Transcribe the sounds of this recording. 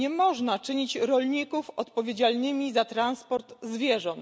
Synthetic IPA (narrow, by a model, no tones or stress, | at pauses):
ɲɛmɔʐnat͡ʂɘɲit͡ɕɾɔlɲikufɔt̪pɔvʲjed͡ʑalnɘmʲizat̪ɾanspɔɾt̪zvʲjɛʐɔnt̪